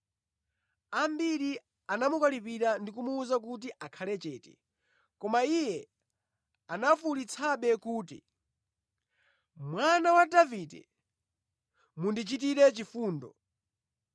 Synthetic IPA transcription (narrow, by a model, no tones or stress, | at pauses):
ambiɾi | anamukalipiɾandik̬umuːzakut̬iʔakʰalɛt͡ʃɛːtɛ | kɔmaijɛ | anafulit͡sʰaɓɛkuːtḭ | mwanawadavidɛ̰ | mundit͡ʃit̬iɾɛt͡ʃifuːndɔ̰